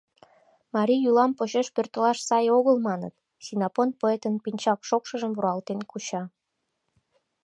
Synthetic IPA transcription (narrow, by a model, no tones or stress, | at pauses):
mɑɾʲiulɑmpot͡ɕeʃpørt̪əlɑʃsɑjoɣəlmɑnə̰t̪ | sinɑponpoet̪ənpinʲt͡ɕɑkʃokʃəʒəmvuɾɑlt̪enkut͡ɕɑ